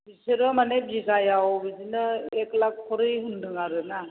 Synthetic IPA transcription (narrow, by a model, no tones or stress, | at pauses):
biseɾɯmanebiɡajawbizinɯeklak̚pʰɔɾɯjɦundɯŋaɾɯna